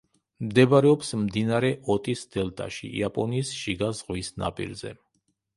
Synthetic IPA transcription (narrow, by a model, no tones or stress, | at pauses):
md̪ɛbaɾɛɔpsmd̪inaɾɛʔɔt̪ʼisd̪̥ɛlt̪ʼa̰ʃḭḭapʼɔniːsʃiɡazʁwisna̰pʼḭɾzɛ̰